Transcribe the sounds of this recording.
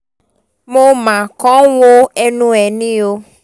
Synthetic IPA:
mo˦mã˨kɔ̃˦wo˦ɛ˦nũ˦ɛ˨nĩ˦o˧

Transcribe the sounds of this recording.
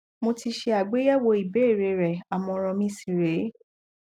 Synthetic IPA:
mo˧ti˧ʃe˧a˨ɡ͡be˨˦ja˦wo˧i˨be˨˦e˦˨ɾe˧ɾɛ˨a˨mɔ̃˧ɾ̃ɔ̃˧mĩ˧˦si˦˨ɾe˨˦

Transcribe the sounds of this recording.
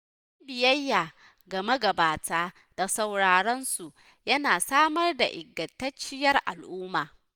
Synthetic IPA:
ʔ | a˦bɪ˨jɐ˦jːaː˨ | ɡɐ˨mɐ˦ɡɐ˨baː˨tʰaː˦ | d̥a˨sa˨wɽaː˨ɽɐ˦nsu˨ʔ | jɐ˦naː˨saː˦mɐ˦rda˨ʔɪ˨ɡːɐ˨tːɐ˦t͡ʃːɪ˦jɐ˦rʔa̰˨lʔʊː˦maː˨

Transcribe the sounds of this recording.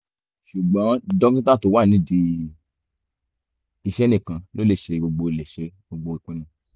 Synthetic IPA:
ʃu˨ɡ͡bɔ̃˨˦dɔ˦kĩ˦tã˦˨to˨˧˦wa˦˨nĩ˧˦di˧ | i˧˨ʃɛ˦nẽ˦˨kã˧lo˨˦le˦˨ʃe˧ɡ͡bo˧ɡ͡bo˧le˨ʃe˧ɡ͡bo˧ɡ͡bo˧i˨k͡pe˨˦nĩ˧

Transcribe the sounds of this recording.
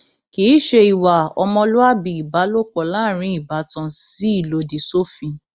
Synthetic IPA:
kiː˨˦ʃe˧i˨wa˨ɔ˧mɔ̃˧lu˦a˦bi˨i˨ba˨˦lo˦k͡pɔ˧˨laː˦˨ɾ̃ĩ˨˦i˦˨ba˨˦tã˧si˦i˦˨lo˨˧di˨so˦fĩ˧

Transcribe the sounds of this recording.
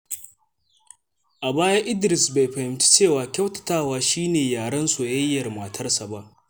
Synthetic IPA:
ʔa˨baː˦jaː˦ʔɪ˦dɾɪ˨sba˨jɸɐ˨hɪ˨mt͡ʃi̥˦t͡ʃeː˦˨waː˨kʲɐ˦wtɐ̥˨taː˦˨waː˨ʃiː˦neː˨jaː˨ɽɐ˦nso˨jɐ˦jːɐ˨rma˨tʰɐ˦rsa˨ba˦ʔ

